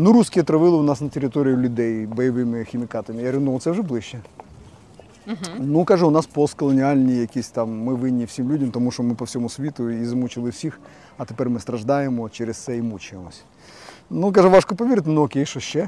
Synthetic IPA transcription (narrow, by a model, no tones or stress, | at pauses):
nuɾuskʲɪjət̪ɾɐʋɪlˠɨʊnasnɐtʲɪɾʲɪt̪oɾʲɪjʊlʲʊd̪ejbɐjɪʋɪmʲɪxʲɪmʲɪkat̪ɐmʲɪɐɾʲɪnd̪oʋ̪t̪sɛʐɨblˠɪɕːɛ | nukaʐɨʊnaspost̪̚kəlˠənʲɪalʲnɨjjɐkʲisʲtʲt̪amːɨʋɪnʲːifsʲimlʲudʲɐmt̪ɐmuʂt̪omɪpɐfsʲomusʲʋʲit̪ʊizɐmut͡ɕɪlˠɨfsʲix | ɐt̪ʲɪpʲɛɾʲmɨst̪ɾɐʐd̪ajɪmɔt͡ɕeɾʲɪst̪sɛimut͡ɕɪjɪməsʲ | nukaʐɨʋaʂkopɐʋʲeɾʲɪt̪ʲnuokʲejʂoɕːɛ